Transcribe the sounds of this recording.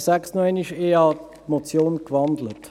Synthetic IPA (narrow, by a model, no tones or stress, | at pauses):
sɛksnɔɪniʃeːɑ | mot͡sjoːnkvɑndlət